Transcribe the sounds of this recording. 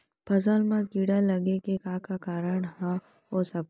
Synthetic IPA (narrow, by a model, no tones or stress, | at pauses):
pʰɐzalmãkiːɽalɐɡekekaːkakaːɾəɳɦã | ɦoːsɐk